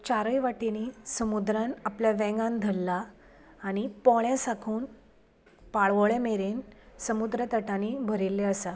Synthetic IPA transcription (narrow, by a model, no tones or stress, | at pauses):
t͡ɕaɾəjʋaʈinisəmud̪ɾãnapljaʋɛ̃ŋɡãnd̪ʱəlːaː | ɽ̃ipɔɭɛ̃sakʰuːn | paɭʋəɭemeɾensəmud̪ɾət̪əʈanibʱəɾilːeəsa